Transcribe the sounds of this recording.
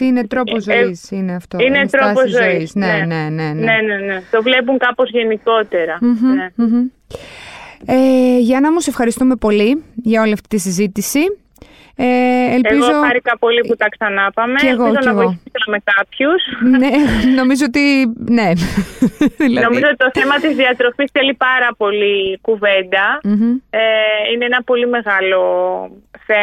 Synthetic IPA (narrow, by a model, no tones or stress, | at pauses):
t̪iinet̪ɾo̞pozoisineɐft̪oinetsɾoɐspozzooiisnene̞ne̞nenenet̪o̞vle̞p̬uŋkɐpozʝe̞niko̞t̪e̞ɾɐm̩ɦ̩em̩ | eʝɐnɐmuse̞fxɐɾist̪ume̞po̞liʝɐo̞liɐft̪it̪isizit̪isi | eeleiɣozoɐɾikɐpo̞liput̪ɐksɐnɐpɐmeeɣoizonɐɣiiselɐmekɐpçusneno̞mizoot̪ine̞ | ðilɐðnomizoot̪it̪o̞θe̞mɐt̪izðiɐt̪ɾo̞fisθelipɐɾɐpo̞likuve̞nd̪ɐm̩eineenɐpo̞lime̞ɣɐlo̞ | θe